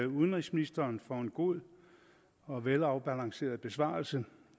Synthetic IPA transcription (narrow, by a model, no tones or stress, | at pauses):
uð̞ˠənʁisminisd̥ɐːnfɒe̝nɡ̥o̝ð̰ˠ | ɒ̽ʋelɑ̈ʊb̥ælɑ̈ŋse̝̰ːɐð̞̩ˠb̥e̝sʋɑ̰̈ːlsə